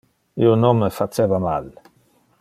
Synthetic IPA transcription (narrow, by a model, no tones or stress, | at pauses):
ionomːəfat͡ʃevamal